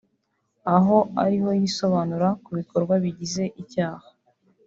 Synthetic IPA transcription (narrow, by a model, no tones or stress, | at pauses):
aɦo̞a̰ɾiɦo̞jiso̞βaːnuɾakuβiko̞ɾɡwaβiɟize̞ʔicaːhḁ